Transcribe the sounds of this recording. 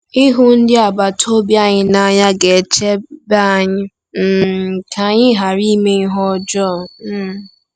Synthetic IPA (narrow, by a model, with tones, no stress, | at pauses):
i˦ɦu˦n̩˦dɪ˦a˨ba˨tʰo˦bja˦ɲɪ˦na˨˦ɲa˦ɡe˨t͡ʃe˦ba˦˨ɲɪ˦ | m̩˦˨kʰa˨ɲɪ˦ɦa˨ɾi˦me˦ŋ̩˦ɦɔ˦d͡ʒɔ˦˨˦